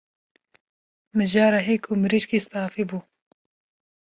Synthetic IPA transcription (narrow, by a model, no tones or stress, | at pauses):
mɨʒaːɾaɦeːkʰumɨɾiʃkiːst̪aːfiːbuː